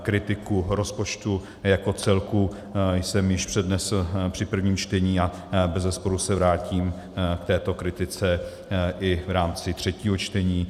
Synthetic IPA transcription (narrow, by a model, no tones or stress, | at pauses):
kɾɪt̪ɪkuɾo̞spo̞t͡ʃt̪u | jako̞t͡sɛlku | jsɛmjɪʃpr̝̥ɛdnɛspr̝̥ɪpr̩vɲiːmt͡ʃt̪ɛɲiːa | bɛzɛspo̞ɾusɛvɾaːciːm | kt̪ɛːt̪o̞kɾɪt̪ɪt͡sɛ | ʔɪvɾaːmt͡sɪt̪r̝̥ɛciːɦo̞t͡ʃt̪ɛɲiː